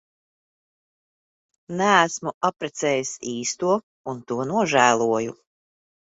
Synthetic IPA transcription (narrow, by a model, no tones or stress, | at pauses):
næːsmuʔapɾɛt̪sɛːjisiːst̪uɔ | unt̪uɔnuɔʒæːlˠuɔju